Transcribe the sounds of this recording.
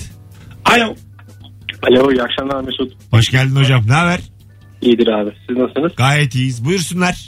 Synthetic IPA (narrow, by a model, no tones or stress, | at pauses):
alʲo | alʲojakʃamˠaɾmesut̪baʃcælʲd̪ino̞d͡ʒamnaːvæɾ̥ | ijd̪iɾaːbɪsiznasɯnɯz̥ɡaːjɛt̪ijizbujuɾsunlˠaɾ̥